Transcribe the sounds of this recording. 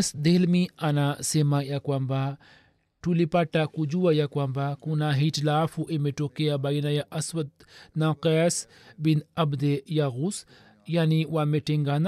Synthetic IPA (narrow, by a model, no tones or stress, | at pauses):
sd̪elmianasemajakwamba | ʈulipaʈːakud͡ʒuwajakwambakunaɦitlaːfuʔemeʈokejabajinajaʔɐswɐt̪̚naqɛːs | binɐbd̪ejaɣus | janiwameʈeŋɡana